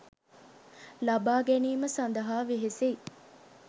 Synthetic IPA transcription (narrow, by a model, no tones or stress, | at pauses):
lɐbaːɡæniːməsɐnd̪ɐɦaːʋiɦesei